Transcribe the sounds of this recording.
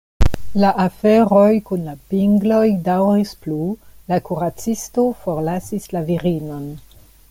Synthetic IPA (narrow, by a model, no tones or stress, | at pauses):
laʔafe̞ɾo̞jkunlapiŋɡlo̞jdawɾisplulakuɾat͡sisto̞fo̞ɾlasislaviɾino̞n